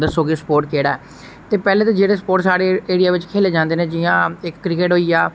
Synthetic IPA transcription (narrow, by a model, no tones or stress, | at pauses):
d̪əsoːɡespoːɾʈkeːɽaːɛ | t̪eːpɛːleːt̪ãːd͡ʒeːɽeːsə̥poːɾʈsaːɽeːeːɽɪjaːʋɪt͡ʃkʰeːleːd͡ʒãːnd̪eːnẽːd͡ʒɪjãːɪkːɾɪk̬eːʈɦoːiːaː